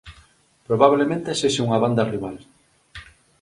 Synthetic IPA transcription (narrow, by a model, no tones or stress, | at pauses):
pɾoβaβlemẽnt̪eseʃeuŋaβand̪ɐriβal